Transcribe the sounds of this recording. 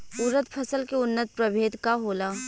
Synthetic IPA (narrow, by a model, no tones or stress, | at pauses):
uːɾət̪pʰɐsəlkeʊnːət̪̚pɾɐbʱeːd̪kaɦoːlaː